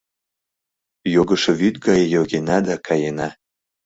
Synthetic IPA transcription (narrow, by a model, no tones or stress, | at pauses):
joɡə̆ʃĕβyt̪ɡɑjjoɣenɑd̪akʰɑjenɑ